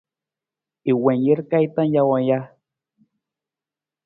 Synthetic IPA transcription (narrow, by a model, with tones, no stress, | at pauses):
i˨we˨nje˦ɾkajt̪a˦nja˧waja˦